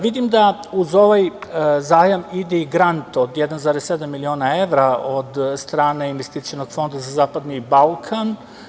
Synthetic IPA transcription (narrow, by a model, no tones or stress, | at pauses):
ʋid̪imd̪auzo̞ʋajzaːjamid̪ɛiɡɾant̪o̞d̪jed̪anzaːɾese̞d̪amːilio̞ːnaeʋɾaod̪st̪ɾaːne̞inʋest̪it̪sijonoɡ̥fo̞nd̪azazaːpad̪nibalˠkʰan